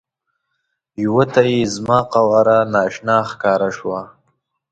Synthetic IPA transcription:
jwot̪ajezmɑːqawaɾanɑːʃnɑxkɑːɾaʂwa

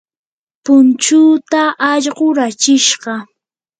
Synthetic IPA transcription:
pʊnt͡ʃuːt̪aʔɑʎɢoɾat͡ʃɪʃɢɑ

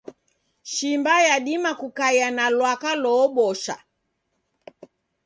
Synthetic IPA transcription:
ʃimbajaɗimakukajanalwakalɔːɓɔʃa̰

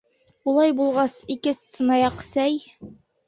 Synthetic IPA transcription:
ulˠɑjbulˠʁɑsikɘssɤ̆nɑjɑqsæj

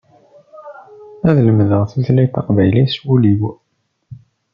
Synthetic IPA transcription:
æðləmðəʁθiθlæjt̪ːɑqvæjliswuliw

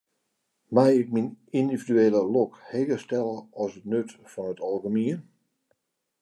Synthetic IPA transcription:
mɛjɪk̚minindividyeːlˠəlokheːɡəstɛlˠəɔsətnøtfɔnətɔlˠɣəmiən

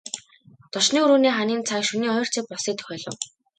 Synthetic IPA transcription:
t̪ɔʃniːuɾuːniːχaniːnt͡sʰaːkʃuniːχɔjɞ̆r̥t͡sʰeːk̚pɔsiːk̚t̪ʰɵ̥xʲœːɮɞ̆w

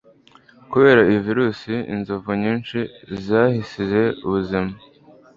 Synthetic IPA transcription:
kuβe̞ːɾaiviɾuːsiḭnzovuɲiːnt͡ʃizahisize̞ṵβuzima

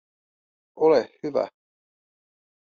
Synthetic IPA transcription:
olehhyʋæ̰

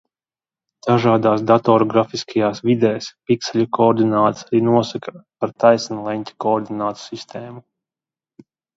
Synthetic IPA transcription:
d̪̥aʒaːd̪aːs̬d̪at̪ɔːɾɔɡɾafiskʰajaːsvid̪ɛːspiksɛlʲukɔːɾd̪inaːt̪saɾiːnuɔsakapaɾt̪ajsnlˠɛnʲt̪ʲi̥kɔːɾd̪inaːt̪u̥sist̪ʰeːmu

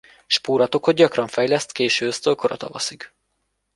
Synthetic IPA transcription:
ʃpuːɾɒt̪o̞khod̪ɟɒkrɒɱfɛjlɛst̪keːʃøːøst̪ølkoɾɒt̪ɒ̰vɒ̰sik

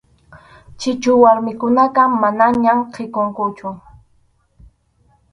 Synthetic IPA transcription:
t͡ʃɪt͡ʃʊwaɾmɪkʊnaqɑmanaɲamqʰɪkoŋkʊt͡ʃʊ

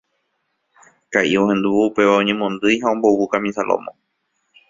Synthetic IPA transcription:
kaʔiõhẽ̞nd̪uʋuupe̞ʋaõɲẽmõnd̪ɨjɦaõmbowukamĩsalo̰mõ̰

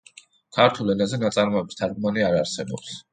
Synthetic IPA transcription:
kʰaɾt̪ʰulˠɛnazɛnat̪sʼaɾmɔɛbi̥st̪ʰaɾɡmaniaɾaɾsɛbɔ̰ps

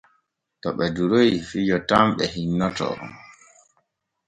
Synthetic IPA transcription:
tɔɓɛduɾojfid͡ʒɔtamɓɛhinːɔtɔ̰

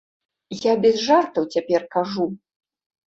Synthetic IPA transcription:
jabʲɛzʐart̪ɐwt͡sʲapʲɛrkaʐu

